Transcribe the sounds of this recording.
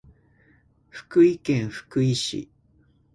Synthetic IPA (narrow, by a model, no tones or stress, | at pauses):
ɸɯ̟̥kɯ̟ikẽɰ̃ɸɯ̟̥kɯ̟iɕḭ